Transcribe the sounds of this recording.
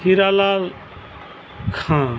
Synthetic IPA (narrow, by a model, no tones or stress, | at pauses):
iɾalal | kʰã